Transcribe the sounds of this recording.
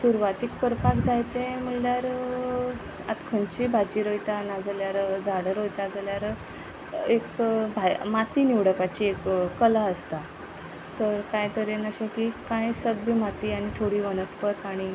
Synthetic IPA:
suɾʋat̪ikːəɾpakd͡zajt̪ẽm̤əɳljaɾ | a̰t̪kʰənt͡ɕibʱad͡ʑiːɾojt̪anad͡zəljaɾd͡zaɽəɾɦojt̪jad͡zaljaɾ | ekbʱajmat̪iniʋɽəpat͡ɕiekːəlaəst̪a | t̪əɾkãjt̪əɾenəɕakikãjsəbəmat̪iːaɽ̃it̪ʰoɽiːʋənəspət̪aɽ̃i

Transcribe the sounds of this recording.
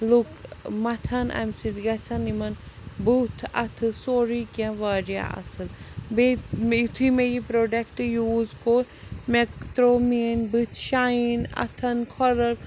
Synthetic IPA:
lukmɐt̪ʰɐnʔa̰msid̪ɡɐt͡ʃʰɐnimɐn | but̪ʰɐt̪ʰɨsoːɾikãʋaːɾja̰ɐ̰sɨlbemit̪ʰimejipɾoːɖɐk̚ʈjuːzkomekt̪ɾoːminbɨt̪ʰʃainɐ̰t̪ʰɐnkʰɔɾɐl

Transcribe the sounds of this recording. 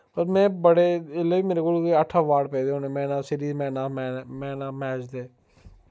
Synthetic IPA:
pəɾmɛ̃ːbəɽeɪleːbiːmeːɾekoːlkeəʈʰːaːʋaːɖpɛːd̪eɦõːneːmɛ̃ːnaːsɪɾiːzmɛ̃ːnaːmːmɛ̃ːnaːmɛːd͡ʒd̪eː

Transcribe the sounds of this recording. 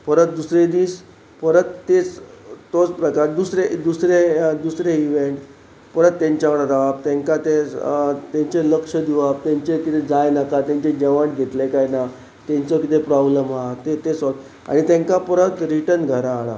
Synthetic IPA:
fəɾət̪̚d̪usɾed̪iːs | pəɾət̪ːet͡st̪ot͡spɾəkaɾd̪usɾed̪usɾed̪usɾeiʋeɳʈ | pəɾət̪ːẽɲt͡ɕjakəɽad͡z̪aʋab̚t̪ɛ̃ŋkat̪e | t̪ẽɲt͡ɕeləkʂəd̪iʋab̚t̪ãɲt͡ɕekit̪ed͡zajnakat̪jãɲt͡ɕed͡ʑeʋaɳʈɡʱet̪lekajna | t̪ɛ̃ɲt͡səkit̪epɾɔbləmɦat̪et̪est̪ | a̰ɽ̃it̪ẽŋkapəɾət̪ɾiʈənɡʱəɾãːɭa̰

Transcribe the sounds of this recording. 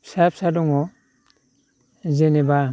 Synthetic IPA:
sapsadɔŋɔ | zeneba

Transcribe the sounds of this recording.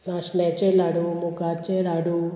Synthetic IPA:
naʃnet͡ʃelaɽumukat͡ʃeɾaɽu

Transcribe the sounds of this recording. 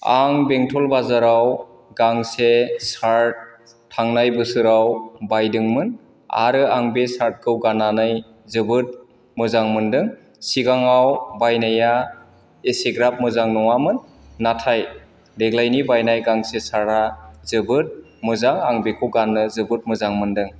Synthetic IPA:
aŋbeŋtʰɔlbazaɾaw | ɡaŋsesaɾt̚ | tʰːaŋnajbɯsɯɾawbajdɯŋmɯn | a̰ɾɯaŋbesaɾt̚kʰɯwɡananaj | zɯbɯt̚ | mɯzaŋmɯndɯŋ | siɡaŋawbajnaja | eseɡɾap̚mɯzaŋnɔŋamɯnː | atʰaj | deɡlajnibajnajɡaŋsesaɾazɯbɯt̚ | mɯzaŋaŋbekʰɯwɡanːɯzɯbɯt̚mɯzaŋmɯndɯŋ

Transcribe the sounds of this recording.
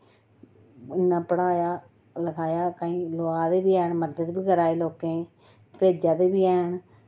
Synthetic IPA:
ɪnːãːpəɽaːjaː | ləkʰaːjaːkaːĩːloːaːd̪eːbiːɛːɳməd̪əd̪biːɡəɾaːeːloːkẽː | peːd͡ʒaːd̪eːbiːɛːɳ

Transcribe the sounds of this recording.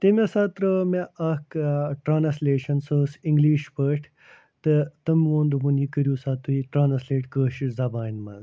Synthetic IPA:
t̪emesaːt̪ɾəmeɐkʈɾaːnɐsleːʃɐnsosiŋɡliːʃpəːʈʰ | t̪ɨt̪ɐmʋoːnd̪umunjikəɾjuːsaːt̪uiʈɾaːnɐsleːʈkəːʃizaːbaːinmɐ̰z

